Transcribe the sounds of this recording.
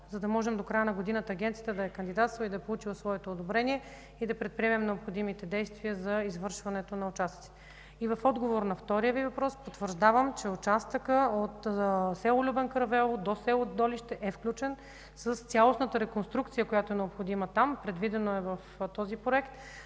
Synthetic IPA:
zɐd̪ɐmɔʒɛmd̪okɾajənɐɡod̪inət̪əːɡʲɛnt̪sijət̪əd̪ɐɛkɐnd̪id̪at̪st̪vid̪ɐɛpolˠut͡ʃilˠəsvɔɛt̪oːd̪obɾɛnʲiɛ | id̪ɐpɾɛt̪̚pɾiɛmɛmnɛopxod̪imit̪ɛd̪ɛjst̪viəzɐizvɤɾʃvɐnɛt̪onɐʊt͡ʃast̪ət̪si̥t̪ɛ | ivɐfɔd̪ɡovoɾnɐft̪ɔɾijəvivɐpɾɔspot̪vəɾʒd̪avəmt͡ʃɛʊt͡ʃast̪əkəot̪sɛlˠolʲubɛnkɾɐvɛlˠd̪osɛlˠod̪ɔliʃt̪ɛʔɛfklʲut͡ʃɛn | səst̪sʲalˠosnət̪əɾɛkonst̪ɾukt̪sijəkojat̪oɛnɛopxod̪imɐt̪ampɾɛd̪vid̪ɛnoɛvɐft̪ɔzipɾoɛkt̪

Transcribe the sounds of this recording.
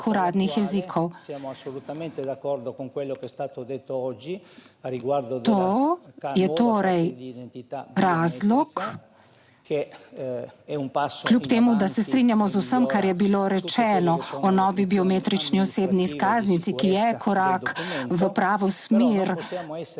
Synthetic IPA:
xuɾaːd̪nixjɛzikʰɔwjasolut̪ament̪ed̪akːɔɾd̪okoŋkwelːokɛst̪aːt̪od̪et̪ːoɔd͡ʒːi | aiɡwaɾd̪t̪o | jɛt̪oːɾɛj̪ | ɾaːzlɔk | ke | ɛumpaskljupt̪eːmud̪asɛst̪ɾinjamɔzusəmkaɾjɛbiloɾɛt͡ʃɛːnɔɔnɔːʋibiɔmet̪ɾit͡ʃniɔseːbniskaːznit̪sikijɛkʰɔɾakʋəpɾaːʋɔsmiɾ

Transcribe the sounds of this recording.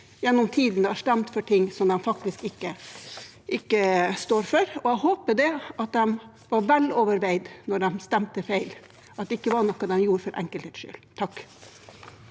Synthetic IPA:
jɛnːɔmt̪ʰiːd̪nəɑʂt̪ɛmt̪fɔʈʰɪŋːsɔmd̪ɛmfɑkt̪ɪskɪkːə | ʔɪkːəst̪oːɾfɔɾɔæhoːpəd̪ɛɑt̪̚d̪ɛm | ʋɑɾʋɛlɔʋəɾʋæɪd̪nɔɖ̪ɛmst̪ɛmt̪əfæɪl | ʔɑt̪̚d̪ɛɪkːəʋɑɳɔkːɑd̪ɛmjuːɾəfɔɾʔɛ̰ŋkəlt̪hɛːt̪ʃʏ̰lt̪ʰɑkː

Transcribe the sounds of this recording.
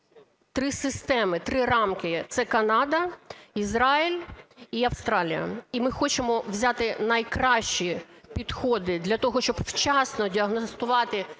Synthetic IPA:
t̪ɾɪsɪst̪ɛmɪt̪ɾɪrɑmkɪt̪sɛkɐnɑd̪ɐizɾɑilʲiɐwst̪ɾɑlʲijɐ̰imɪxɔt͡ʃemɔʋzʲat̪ɪnɐjkɾɑʃt͡ʃi | pʲid̪xɔd̪ɪd̪lʲɐt̪ɔɦɔʃt͡ʃɔbwt͡ʃɑsnɔdʲiɐɦnɔst̪ʊʋɑt̪ɪ

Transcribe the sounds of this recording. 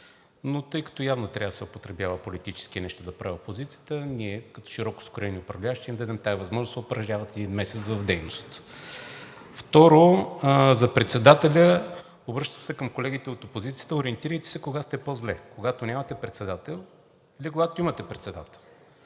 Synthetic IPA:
not̪ɤjkɐ̥t̪ɔjavnot̪ɾʔavsɛʊpot̪ɾɛbjavəpolit̪it͡ʃɛ̥skinɛʃt̪od̪ɐpɾaviopozit̪sijə̥t̪əniɛkɐt̪ɔ̥ʃiɾɔkʊ̥skʊɾɛniʊpɾɐvlʲaʃt̪ɛimd̪əd̪ɛmt̪aivɐzmɔʒnosʊpɾɐʒʲavɐt̪ɛd̪inmɛsɛt̪svɐvd̪ɛjnost̪ | ft̪ɔɾo | zɐpɾɛt̪sɛd̪at̪ɛlʲə | obɾɤʃt̪əmsɛkəmkolɛɡ̟it̪ɛot̪opozit̪sijə̥t̪əʊɾiɛnt̪iɾəjt̪i̥sɛkoɡast̪ɛpozlɛkoɡat̪onʲamɐt̪ɛpɾɛt̪sɛd̪at̪ɛlˠ | ilikoɡat̪oimɐt̪ɛpɾɛt̪sɛd̪at̪ɛlˠ

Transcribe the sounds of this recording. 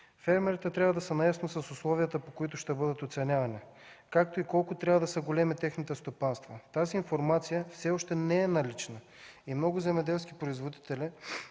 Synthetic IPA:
fɛɾmɛɾit̪ɛt̪ɾʲavəd̪ɐsɛnɐjasnosɐsʊslˠɔvijət̪əpokoit̪ʊʃt̪ɛbɤd̪ət̪ot̪sɛnʲavɐni | kak̚t̪oikɔlˠkʊt̪ɾʲavəd̪ɐsəɡolɛmit̪ɛxnit̪ɛst̪opanst̪vət̪aziːnfoɾmat̪sijəfsɛɔʃt̪ɛnɛɛnɐlit͡ʃnə | imnɔɡʊzɛmɛd̪ɛlˠsk̟ipɾoizvod̪it̪ɛlɛ

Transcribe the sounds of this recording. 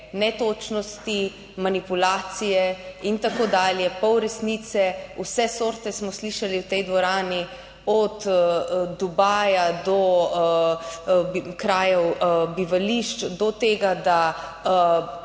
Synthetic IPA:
nɛt̪oːt͡ʃnɔst̪i | manipulaːt̪sijɛint̪akoːd̪aːljɛpɔwɾɛsnit̪sɛusɛsoːɾt̪ɛsmɔsliʃaliwt̪ɛjd̪ʋɔɾaːni | ɔt̪ | d̪ubaːjad̪ɔ | kɾaːjɔwbiʋaliʃt͡ʃd̪ɔt̪eːɡad̪a

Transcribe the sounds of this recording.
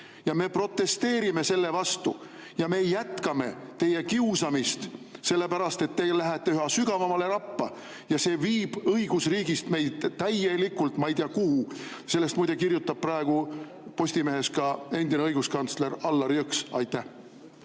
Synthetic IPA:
jɑme̞pro̞t̪ːˑe̞st̪e̞ːɾime̞se̞lːe̞vɑst̪u | jɑme̞ːjæt̪kɑme̞̰t̪e̞je̞kiusɑmist̪se̞lːe̞pæɾɑst̪e̞t̪ːelæɦæt̪ːeyhɑsyɡ̥ɑvɑmɑle̞ɾɑpːɑ | jɑse̞ːviːb̥ɤjɡ̥usriːɡist̪me̞jd̪̥t̪æjelikːult̪ˑmɑjt̪iɑkuhuse̞lːe̞st̪mujd̪̥ekirjut̪ˑːɑb̥̚prɑeɡ̥u | po̞sʲt̪ime̞ɦe̞skɑe̞nd̪ineɤjɡ̥uskɑnt̪sle̞ɾɑlːɑɾoksɑ̰jt̪ːˑæh

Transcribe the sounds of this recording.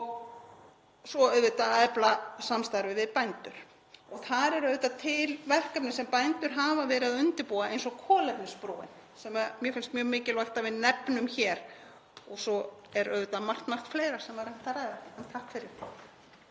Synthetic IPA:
ɔɣ | sɔœɥvʏt̪aɛplasamst̪aɾvɪvɪðpajnt̪ʏɾ̥ | ɔɣθaɾɛɾœɥvʏt̪at̪ʰɪlvɛl̥kapnɪsɛmpajnt̪ʏɾ̥ɦaːvavɛːɾɪaðʏnt̪ɪɾpuːaejnsɔkʰɔːlɛpnɪspɾoːwɪ̰n | sɛmamjɛfɪnst̪mjœːɣmɪːcɪlvajht̪avɪðnɛpnʏmçɛːɾ̥ | ɔɣsɔɛɾœɥvʏt̪amar̥t̪mar̥t̪fleːjɾḁsɛmaɾajm̥t̪aɾajðaɛnt̪ʰahkfɪɾɪɾ̥

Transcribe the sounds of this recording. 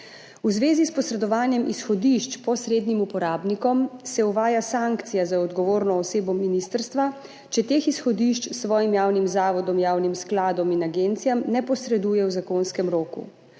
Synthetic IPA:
uzʋeːzispɔsɾɛd̪ɔʋaːnjɛmisxɔd̪iʃt͡ʃpɔsɾeːd̪nimupɔɾaːbnikɔmsɛuʋaːjasaŋkt̪sijazaɔd̪ɡɔʋoːɾnɔːseːbɔminist̪əɾst̪ʋa | t͡ʃɛt̪eːxisxɔd̪iʃt͡ʃsʋɔːjimjaːwnimzaːʋɔd̪ɔmjaːwnimsklaːd̪ɔminaɡent̪sijamnɛpɔsɾɛd̪uːjɛwzakonskɛmɾoːkṵ

